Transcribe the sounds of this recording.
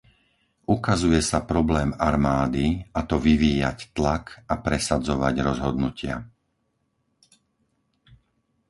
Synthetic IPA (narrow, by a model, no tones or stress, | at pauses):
ʔukazujɛsapɾɔblɛːmaɾmaːd̪iat̪ɔʋiʋiːja̰ct̪lakapɾɛsad͡zɔʋaɟɾɔzɦɔd̪nucɪa̰